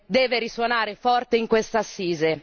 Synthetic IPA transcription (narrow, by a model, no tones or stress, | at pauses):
d̪ɛːveɾiswonaːɾefɔrt̪eiŋkwest̪asːiːze